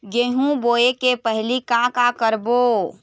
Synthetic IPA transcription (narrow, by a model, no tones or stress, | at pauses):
ɡeɦũboːekepəɦlikãkakəɾbo